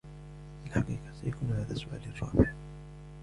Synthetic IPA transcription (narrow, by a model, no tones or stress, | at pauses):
ʔɪlħaɑqiːqɑsajakuːnhaːðasʊʔa̰ːlrˤːɑ̰ːbɪʕ